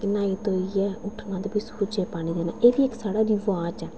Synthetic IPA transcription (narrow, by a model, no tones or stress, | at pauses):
kɪnaːiːt̪õːiːɛːʊʈʰnãːd̪eːbisʊd͡ʒeːpaːñiːd̪eːnaːʔeːʋiːeksaːɽaːɾɪʋaːd͡ʒɛː